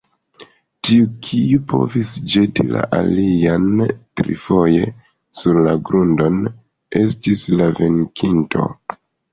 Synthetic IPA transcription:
tiukʰiupʰo̞̰visd͡ʒe̞tila̰ʔaliantɾḭfo̞je̞ | suɾlaɡɾundo̞n | e̞stislave̞ŋkʰintʰo̞̰

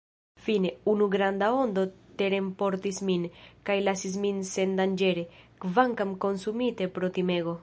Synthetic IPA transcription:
fine̞unuɡɾand̪ao̞nd̪o̞t̪e̞ɾe̞mpoɾt̪isminkajlasis̬minse̞nd̪and͡ʒe̞ɾe̞kvaŋkamko̞nsumit̪e̞pɾo̞t̪ime̞ɡo̞

